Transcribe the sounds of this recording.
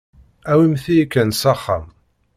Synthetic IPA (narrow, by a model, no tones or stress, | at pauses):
æwimθijikːænsɑχːa̰m